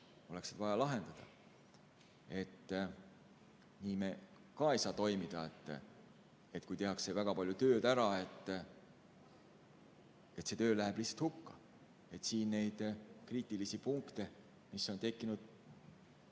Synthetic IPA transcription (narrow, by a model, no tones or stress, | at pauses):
o̞le̞ksit̪vɑjɑlɑɦe̞nd̪̥ɑd̪̥ɑ̰ | e̞t̪ː | niːme | kɑejsɑːt̪o̞jmid̪̥ɑe̞t̪ːˑ | et̪ˑkujt̪e̞ɦɑkse̞væɡ̥ɑpɑlʲjut̪ø̞ːd̪æɾɑe̞t̪ːˑ | e̞t̪se̞t̪ø̞ːlæɦeb̥lihsɑ̥t̪hukːɑ | e̞t̪siːnːe̞jd̪̥kriːt̪ːˑilisipuŋkt̪e̞ | miso̞nt̪e̞kːinud̪̥